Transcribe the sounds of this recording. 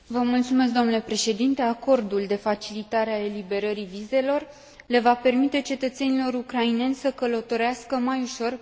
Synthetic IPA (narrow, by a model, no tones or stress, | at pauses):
vəmult̪sume̞s̬k̚d̪omnule̞pɾe̞ʃe̞d̪int̪e̞ako̞rd̪uld̪e̞fat͡ʃilit̪aɾeae̞libe̞ɾəɾivize̞lo̞r | le̞vape̞rmit̪e̞t͡ʃe̞t̪ət̪se̞nilo̞ɾukɾaine̞nʲsəkələt̪o̞ɾeaskəmajuʃo̞r